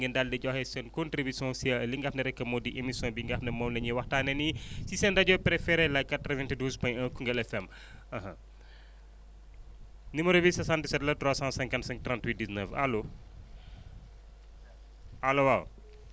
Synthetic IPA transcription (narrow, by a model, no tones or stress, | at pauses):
ŋɡɐndaldɐɟɔxɛsɛnkontɾibisɔ̃siaɐliŋɡɐfndɐɾɛkːɐmɔdiʔemisɔ̃biŋɡafnɐmɔmnɐɲiwɐxtaːnɛnisisɛndɐɟɔpɾefɛɾɛlɐjkatːɾəvɛntiduːzpɔ̃jɲɐ̃ːkuŋɡɐlɛfɛm | ɐɦɐ̃ | nimɐɾobisɐsãntisɛtlɐtɾaːsãsɛ̃ŋkɐnsɛ̃ŋtrãntwit̚diznəfa̰lo | alowaw